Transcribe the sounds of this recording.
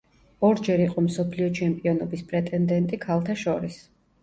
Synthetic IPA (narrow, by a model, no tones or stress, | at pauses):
ɔɾd͡ʒɛɾiqʼɔmsɔpʰliɔt͡ʃʰɛmpʼiɔnɔbispʼɾɛt̪ʼɛnd̪ɛnt̪ʼikʰalˠt̪ʰaʃɔɾis